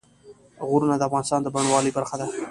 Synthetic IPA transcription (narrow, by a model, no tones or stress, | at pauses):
ɣʊɾunad̪əafɣɑnɪst̪ɑnd̪əbaɳwɑləjbaɾxad̪a